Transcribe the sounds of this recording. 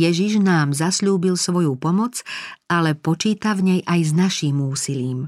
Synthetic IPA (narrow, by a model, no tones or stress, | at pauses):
jɛʒiʒnaːmzasʎuːbilsʋɔjupɔmɔd͡zalɛpɔt͡ʃiːt̪avɲɛjʔajznaʃiːmuːsiliːm